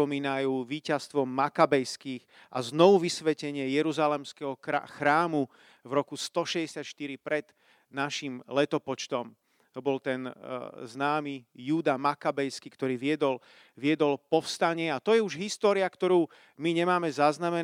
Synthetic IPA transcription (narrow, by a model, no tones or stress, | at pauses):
ɔmiːnajuːʋiːcast̪ʋɔmːakabɛjskiːx | ʔaznɔʋuʋisʋɛcɛɲɪɛjɛɾuzalɛmskɛɦɔ̰xɾaːmu | vɾɔkust̪ɔʃɛɟɛsɪat̪ʃt̪iɾipɾɛd̪̥ | naʃimlɛt̪ɔpɔt͡ʃt̪ɔm | t̪ɔbɔlt̪ɛnznaːmijuːd̪amakabɛjskikt̪ɔɾiːʋɪɛd̪ɔl | ʋɪɛd̪ɔlpɔfst̪aɲɪɛat̪ɔjɛuʒɦist̪ɔːɾiakt̪ɔɾuː | miɲɛmaːmɛzaznamɛn